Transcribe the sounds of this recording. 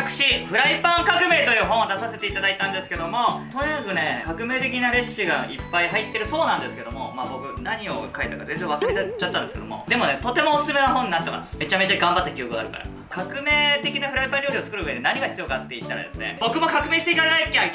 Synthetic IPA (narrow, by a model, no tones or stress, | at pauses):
kɯ̟̥ɕiɸɯ̟ɾaipãŋkakɯ̟me̞ːt̪o̞jɯ̟ːɦõɰ̃od̪asase̞t̪e̞it̪ad̪ait̪ãnd̪e̞sɨ̥ke̞d̪o̞mo̞t̪o̞ɲʲiakɯ̟ne̞kakɯ̟me̞ːt̪e̞kʲinaɾe̞sɨ̥pʲiɡaipːaiɦait̪ːe̞ɾɯ̟so̞ːnãnd̪esɨ̥ke̞d̪o̞mo̞̰maːbo̞kɯ̟naɲ̟io̞kaet̪akaze̞nd͡zẽβasɨɾet̪t͡ɕat̪ːãnd̪esɨke̞d̪omo̞̰d̪e̞mo̞ne̞t̪o̞t̪e̞mo̞ːsɨ̥sɨme̞naɦõ̞ɲ̟inat̪ːe̞ma̰sɨ̥me̞t͡ɕame̞t͡ɕaɡãmbat̪ːakʲio̞kɯ̟ɡaɾɯ̟ka̰ɾa̰ | kakɯ̟me̞ːt̪e̞kʲinaɸɯ̟ɾaipãɾʲo̞ːɾʲio̞t͡sɨ̥kɯ̟ɾɯɯ̟ed̪enaɲ̟iɡaçi̥t͡sɨjo̞ːkat̪ːe̞it̪ːaɾa̰d̪esɨnḛbo̞kɯ̟mo̞kakɯ̟meːɕit̪e̞it̪aanaikʲːa